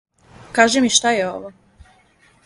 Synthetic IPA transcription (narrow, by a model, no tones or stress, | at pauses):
kaːʒemiʃt̪ajeo̞̰ʋo